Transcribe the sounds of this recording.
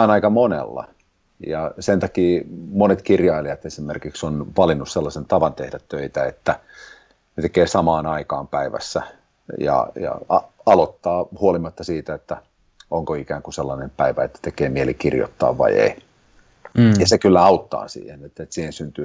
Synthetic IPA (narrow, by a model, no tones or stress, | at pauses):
ɑːnɑikɑmonḛlːɑ̰ | jɑsent̪ɑkiːmonet̪kirjɑiliɑt̪esimḛrkiksonʋɑlinːusselːɑsent̪ɑʋɑnt̪ehdæt̪tøit̪æet̪ːæ | net̪ekeːsɑmɑːnɑikɑːmpæiʋæ̰sːæ̰ | jɑ̰jɑ̰ɑɑlot̪ːɑːhuolimɑt̪ːɑsiːt̪æet̪ːæ | oŋkoikæːŋkuselːɑnempæiʋæet̪ːæ̥t̪ekeːmielikirjo̰t̪ːɑ̰ːʋʋɑ̰iḛi | jɑsekylːæɑut̪ːɑ̰ːsḭːhenet̪ːet̪siːhensynt̪yː